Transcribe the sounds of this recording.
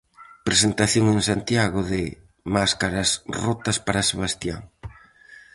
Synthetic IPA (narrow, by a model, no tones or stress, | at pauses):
pɾesent̪aθjoŋensant̪jaɣoðɪ | maskaɾɐsrot̪ɐspaɾaseβ̞ast̪ja̰ŋ